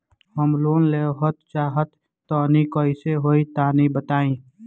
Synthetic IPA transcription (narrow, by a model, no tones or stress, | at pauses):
ɦəmloːnleːɦət̪t͡ʃaːɦət̪ː | ɔnikɔɪseɦoːit̪aːnibət̪aːĩː